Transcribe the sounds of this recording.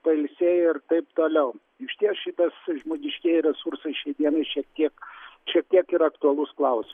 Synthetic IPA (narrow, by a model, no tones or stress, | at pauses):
pɐɪlʲsʲeɪrt̪ɐɪpt̪oːlʲɛʊ | ɪʃʲt̪ʲiɛsʃʲɪt̪ɐsʒmoːɡʲɪʃʲkʲiɛjɾʲɛsursɐɪʃʲɛɪd̪ʲiɛnɐɪʃʲiɛk̚t̪ʲiɛkʃʲiɛk̚t̪ʲiɛkɪɾɐkt̪ʊɐlˠʊsklˠɐʊsʲɪm